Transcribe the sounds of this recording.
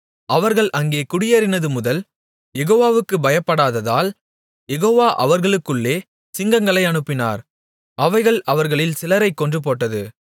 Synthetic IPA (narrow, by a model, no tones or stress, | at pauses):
ʔɐʋɐɾɣɐɭʔɐŋɡeːkʊɽɪjɐɾɪnɐðɯmʊðɐl | jɛɣoːʋaːʋɯkːɯbɐjɐpːɐɽaːðɐða̰ːl | jɛɣoːʋaːʔɐ̰ʋɐɾɣɐɭɯkːɯɭːeː | ssɪŋɡɐŋɡɐɭɐɪɐnɯpːɪna̰ːɾ | ʔɐʋɐɪɣɐɭʔɐʋɐɾɣɐɭɪlsɪlɐɾɐɪkːɔndrɯp̬oːʈːɐðɯ